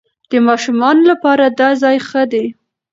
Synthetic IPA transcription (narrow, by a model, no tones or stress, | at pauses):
d̪̥əmɑʃumɑnolapɑɾad̪ɑzɑjxəd̪e